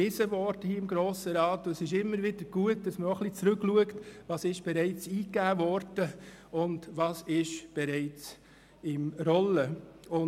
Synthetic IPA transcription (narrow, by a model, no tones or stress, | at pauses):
ɪsəʋɔːɾdəhiɪmɡɾoːsəɾɑːtːoɛsɪʃɪmːəɾʋɪd̥əɾɡ̥uət̚d̥ɑsməɾɔχlit͡sɾʉkluəktʋɑsɪʃb̥ɛɾɛɪt͡siːkːæːvɔɾd̥ə | ʊndʋɑsɪʃb̥ɛɾɛɪt͡s | ɪmɾɔləʊ